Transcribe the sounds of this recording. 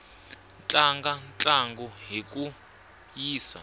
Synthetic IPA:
nt͡ɬʼaŋɡant͡ɬʼaŋɡɔɦik̬ʼu | jiːsa̰

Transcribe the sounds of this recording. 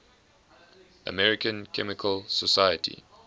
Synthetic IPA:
ʔə̰mɛɹɪkə̃nkʰɛmɪkʰəlsəsajətʰḭ

